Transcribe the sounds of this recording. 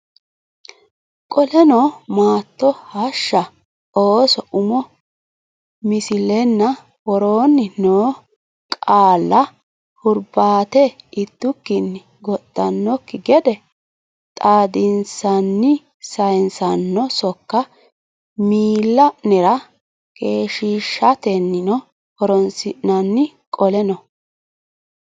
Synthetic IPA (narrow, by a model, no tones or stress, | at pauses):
kʼɔlɛnɔmaːt̪ːɔhɐʃːɐ | oːsɔʔʊmɔ | mɪsɪlɛnːɐ | wɔɾoːnːɪnoː | kʼaːlːɐ | hʊɾbaːt̪ɛɪt̪ːʊkːɪnːɪ | ɡɔt̪ʼːɐnːɔkːɪɡɛd̪ɛ | t̪ʼaːd̪ɪnsɐnːɪ | sɐjnsɐnːɔsɔkːɐ | miːlːɐnɛɾɐ | kʼeːʃiːʃːɐt̪ɛnːɪnɔ | hɔɾɔnsɪɐnːɪ | kʼɔlɛnɔ